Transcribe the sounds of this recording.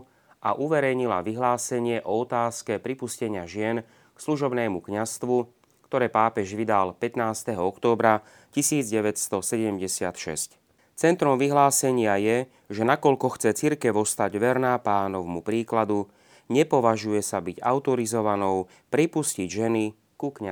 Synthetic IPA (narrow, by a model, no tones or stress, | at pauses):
ʔa̰ʔuʋɛɾɛjɲila̰ʋiɦlaːsɛɲɪɛʔɔɔt̪aːskɛpɾipuscɛɲɪaʒɪɛn | ksluʒɔbnɛːmukɲast̪ʋu | kt̪ɔɾɛːpaːpɛʒʋid̪alpɛt̪naːst̪ɛɦɔɔkt̪ɔːbɾa | cisiːd͡zɟɛʋɛtst̪ɔsɛɟɛmɟɛsɪat̪ʃɛ̰sc | t͡sɛnt̪ɾɔmʋiɦlaːsɛɲɪajɛ | ʒɛnakɔʎkɔxt͡sɛt͡siɾkɛʋɔst̪aɟʋɛɾnapaːnɔʊmupɾiːklad̪u | ɲɛpɔʋaʒujɛsabiɟaʊt̪ɔɾizɔʋanɔʊ | pɾipusciɟʒɛni | kukɲa